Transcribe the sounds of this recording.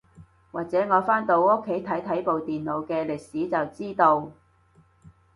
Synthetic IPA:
waː˨k̚t͡sɛː˨˥ŋɔː˨˧faː˥nt̪o˧wo˥kʰːe˨˥jt̪ʰɐ˨˥jt̪ʰɐ˨˥jpo˨wt̪iː˨nlo˨˧wkɛː˧lɪ˨k̚siː˨˥t͡sɐ˨wt͡siː˥t̪o˧w

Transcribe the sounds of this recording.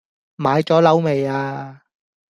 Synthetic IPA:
maː˨˧jt͡ʃɔː˨˥lɐ˨˥wme˨jaː˧

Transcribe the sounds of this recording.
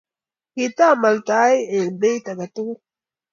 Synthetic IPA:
ki˨ta˦˨ma˨lta˨˦je˨be˦jta˨ɡa˨tu˦

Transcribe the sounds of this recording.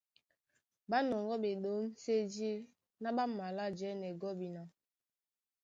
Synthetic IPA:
ba˦nɔ˨ŋɡɔ˦ɓe˨ɗo˦m˦se˦d͡ʒi˦ | na˦ɓa˦ma˨la˦d͡ʒɛ˦nɛ˨ɡɔ˦bi˨na˨

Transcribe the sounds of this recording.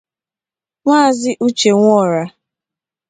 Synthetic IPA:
ŋʷa˦˨zɪ˦ʔu˦t͡ʃe˨ŋʷɔ˦˨ɾa˦

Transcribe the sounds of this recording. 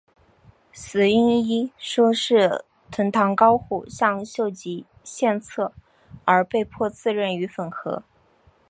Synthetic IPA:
sɹ̩˨˩i˥ni˥ʂwɔ˥ʂɻ̩˥˩ | t̪ʰə˧˥nt̪ʰɑ˧˥ŋkɑ˥ʊxu˥˩ɕjɑ˥˧ŋɕjo˥˩ʊt͡ɕi˧˥ | ɕjɛ˥˧nt͡sʰɤ˥˩ | ə˞˧˥pe˥˧ɪpʰwɔ˥˧t͡sʰɹ̩˥˧ɻə˥˩ny˧˥fə˨˩nxɤ̰˧˥

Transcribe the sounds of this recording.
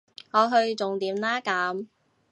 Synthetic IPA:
ŋɔː˨˧ɦɵ˧ɥt͡sʊ˨ŋt̪iː˨˥mlaː˥kaː˨˥m

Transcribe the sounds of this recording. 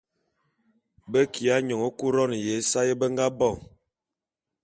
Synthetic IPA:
bə˦ki˨a˨˦ɲɔ˨ŋo˦ku˦ɾɔ˦n˨je˨˦sa˦je˦bə˦ŋɡa˦bɔ˦˨ŋ

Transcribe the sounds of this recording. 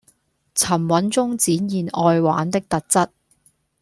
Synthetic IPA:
t͡sʰɐ˨˩mwɐ˨˥nt͡sʊ˥ŋt͡siː˨˥njiː˨˩nɔː˨˧jwa̰ː˨˥nt̪ɪ˥k̚t̪ɐ˨k̚t͡sɐ˥t̚

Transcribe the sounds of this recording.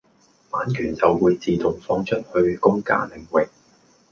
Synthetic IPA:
maː˨˥nkʰyː˨˩nt͡sɐ˨wːuː˨˧jt͡siː˨t̪ʊ˨˩ŋfɔː˧ŋt͡ʃʰɵ˥t̚hɵ˧ɥkʊ˥ŋka̰ː˥lɪ˨˩ŋwɪ˨k̚

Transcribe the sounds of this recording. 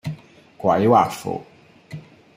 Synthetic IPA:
kwa˨jwa˨fo̰˨

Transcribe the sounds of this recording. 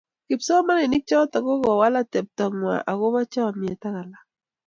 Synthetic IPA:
kɪ˨psɔ˦ma˦nɪ˨nɪ˦k̚t͡ʃɔ˦ta˨kɔ˦ɣɔ˨wa˦la˦tɛ˨p̚ta˨ŋwa̰˨ʔa˨ɣo˦βa˦t͡ʃa˦wa˨mje˨ta˦ɣa˨la˦

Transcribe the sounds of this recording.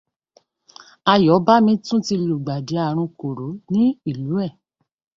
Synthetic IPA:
a˧jɔ˨˦ba˦mĩ˧tũ˦ti˧lu˨ɡ͡ba˨de˨˦a˦˨ɾ̃ũ˧ko˨ɾo˨˦nĩ˦i˦˨lu˨˦ɛ˦˨

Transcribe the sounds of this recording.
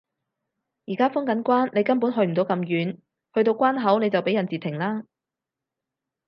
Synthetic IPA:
jiː˨˩kaː˥fʊ˥ŋkɐ˨˥nkʷwaː˥nne˨˧jkɐ˥npuː˨˥nɦɵ˧ɥm̩˨˩t̪o˨˧wkɐ˧mjyː˨˧n | hɵ˧ɥt̪o˧wkʷaː˥nɦɐ˨˥wne˨˧jt͡sɐ˨wpe˨˥jɐ˨˩nt͡siː˨t̪ʰɪ˨˩ŋlaː˥

